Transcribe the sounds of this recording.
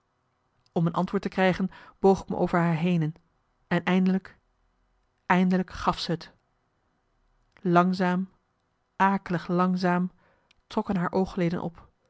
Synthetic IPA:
ɔmənʔɑ̰ntʋʊːɹtəkrɛjχənb̥owχɪkmə̰ʔo̰wvəɹɦaːɹɦejnən | ɛnɛjndələk | ɛjndələkχɑfsəɦət | lɑŋzaːm | ʔaːkələχlɑŋzaːm | trɔkənɦaːɹʔowχlejdə̰nʔɔ̰p

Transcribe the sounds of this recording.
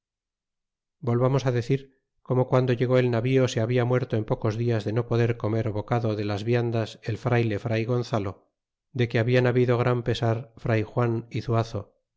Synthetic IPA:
bo̞lβamo̞saðe̞θiɾ | ko̞mo̞kwand̪oʝe̞ɣ̞o̞e̞lnaβio̞seaβiamwe̞ɾt̪o̞empo̞ko̞zðiazðe̞nopo̞ðe̞ɾko̞me̞ɾoβo̞kaðoðe̞lazβjand̪ase̞lfɾajle̞fɾajɣo̞n̟θalo̞ | d̪e̞keaβianaβiðo̞ɣ̞ɾampe̞saɾfɾajxwaniθuaθo̞

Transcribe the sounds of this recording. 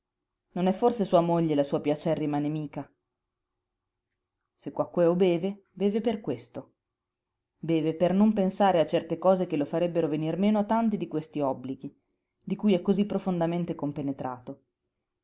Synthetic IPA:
nonɛfːorsesuːamoʎːelasuːapjat͡ʃɛrːimaːnemiːka | sekːwakːoɛobɛːve | bɛːveperkwest̪o | bɛːvepernompensaːɾeat͡ʃːɛrt̪ekɔːzekelofaɾɛbːeɾovenirmeːnoat̪ːant̪id̪ikwest̪iɔbːliɡi | d̪ikuːjɛkːozipːɾofond̪ament̪ekompenet̪ɾaːt̪o

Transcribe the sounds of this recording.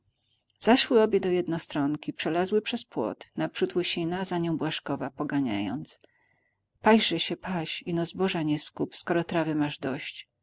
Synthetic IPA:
z̥aʂwɘɔbʲjɛd̪ɔjɛd̪nɔst̪ɾɔŋkʲipʂɛlazwɘpʂɛspwɔ̰t̪napʂut̪wɘɕinazaɲɔ̃w̃bwaʂkɔvapɔɡaɲa̰jɔ̰nt̪s | paʑʐɛɕɛpaɕinɔzbɔʐaɲɛskupskɔɾɔt̪ɾavɘmaʐd̪ɔɕt͡ɕ

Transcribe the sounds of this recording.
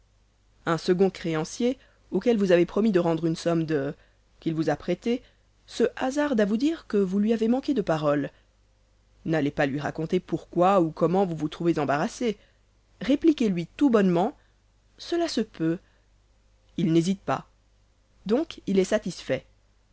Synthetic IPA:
ɛ̃səɡɔ̃kχeɑ̃sje | okɛlvuzavepχɔmid̪əʁɑ̃d̪ʁynsɔmd̪ə | kʲilvuzapχɛt̪e | səʔazaʁd̪avud̪iʁkəvulɥiavemɑ̃ked̪əpaʁɔl | nalepalɥiʁakɔ̃t̪epuʁkwaukɔmɑ̃vuvut̪χuvezɑ̃baʁase | ʁeplikʲelɥit̪ubɔnmɑ̃ | səlasəpø | ilnezit̪̚pa̰ | d̪ɔ̃kilɛsat̪isfɛ

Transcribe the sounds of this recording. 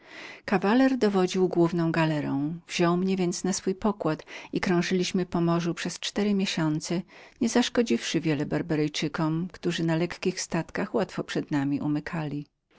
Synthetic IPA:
kavalɛɾd̪ɔvɔd͡ʑiwɡwuvn̪ɔ̃w̃ɡalɛɾɔ̃w̃vʑɔwmɲɛvʲjɛnt̪snasfujpɔkwat̪ikɾɔ̃w̃ʐɘlʲiɕmɘpɔmɔʐupʂɛst͡ʂt̪ɛɾɘmʲjeɕɔnt̪sɛɲɛzaʂkɔd͡ʑifʂɘvʲjɛlɛbaɾbaɾɛjt͡ʂɘkɔmkt̪uʐɘnalɛkkʲixst̪at̪kaxwat̪fɔpʂɛd̪namʲiʔumɘkʰalʲi

